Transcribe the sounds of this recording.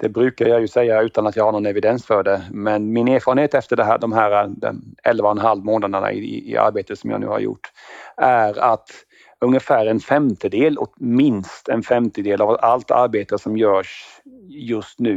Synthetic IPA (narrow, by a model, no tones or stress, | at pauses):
d̪̥ɛbɾʉ̟ːkaɾjɑjɵsɛjːaʉ̟ːt̪anat̪jɑːɡhaɳɔnɛvɪd̪ɛnsfœɖɛmɛnmɪneːɾfɑːɾənheːt̪ɛft̪əɖɛɦæ̰ːɖɔmɦæːɾad̪ɛ̰ɛlvaɛnɦalvmoːnad̪əɳa̰ɪ̰ɪ̰ɪa̰ɾbeːt̪ət̪sɔmja̰nʉ̟ːha̰ɾjʊ̰ʈːæɾat̪ | ɵŋjəfæːɾɛnfɛmt̪ʰəd̪eːlɔ̰t̪mɪnst̪ɛnfɛmt̪əd̪eːlavalt̪a̰ɾbeːt̪əsɔmjœːʂ | jɵst̪nʉ̟ː